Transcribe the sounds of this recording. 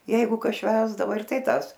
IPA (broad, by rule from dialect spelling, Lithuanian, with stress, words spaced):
ˈjɛɪɡʊ ˈkɐs ˈʃʲʋʲæːzdɐʋoː ɪr ˈtɐɪ ˈtɑːs